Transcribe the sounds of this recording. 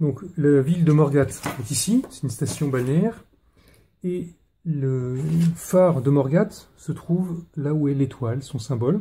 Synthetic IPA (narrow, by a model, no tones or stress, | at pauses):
d̪ɔ̃klavild̪əmɔʁɡat̪ɛt̪isisɛt̪ynst̪asjɔ̃balnɛʁ | e | lə | faʁd̪əmɔʁɡat̪sət̪χuvlauɛlet̪walsɔ̃sɛ̃bɔl